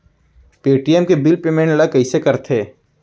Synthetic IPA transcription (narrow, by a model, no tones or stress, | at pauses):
peːʈiɛmkebɪlpeːmẽɳʈlakɐisekɐɾt̪ʰeː